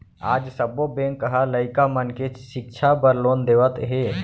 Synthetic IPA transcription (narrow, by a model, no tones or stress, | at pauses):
aːd͡ʒsəbobẽːŋkːəɦaləɪkamənket͡ʃʃɪk̚t͡ʃʰabəɾloːnd̪eːʋət̪ɦeː